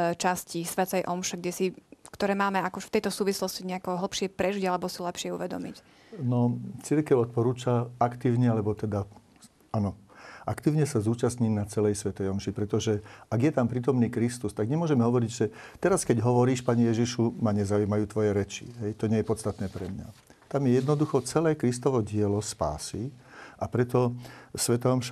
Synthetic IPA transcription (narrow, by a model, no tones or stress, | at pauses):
t͡ʃascisʋɛt̪ɛjʔɔmʃɛɡɟɛsikt̪ɔɾɛːmaːmɛakɔft̪ɛjt̪ɔsuːʋislɔsciɲɛakɔɦl̩ˠpʃɪɛpɾɛʒiɟalɛbɔsilɛpʃɪɛṵʋɛd̪ɔ̰mḭc | nɔt͡siɾkɛʊɔt̪̚pɔɾuːt͡ʃaakt̪iːʊɲɛalɛbɔt̪ɛd̪a | anɔʔakt̪iːʊɲɛsazuːt͡ʃast̪ɲinat͡sɛlɛjsʋɛt̪ɛjɔmʃipɾɛt̪ɔʒɛaɡjɛt̪ampɾiːt̪ɔmniːkɾist̪ust̪aɡɲɛmʊɔʒɛmɛɦɔʋɔɾiɟʒɛt̪ɛɾaskɛɟɦɔʋɔɾiːʃpaːɲɛjɛʒiʃumaɲɛzaujmajuːt̪ʋɔjɛɾɛt͡ʃḭɦɛjt̪ɔɲɛjɛpɔt̪st̪at̪nɛːpɾɛmɲa̰ | t̪amjɛjɛd̪nɔd̪uxɔt͡sɛlɛːkɾist̪ɔʋɔɟɪɛlɔspa̰ːsiʔapɾɛt̪ɔsʋɛt̪ɛɔmʃ